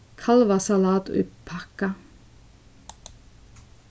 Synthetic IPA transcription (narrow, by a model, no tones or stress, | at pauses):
kʰɑlʋɑsɑlɑːt̪ʉ̰ppʰɑkɑ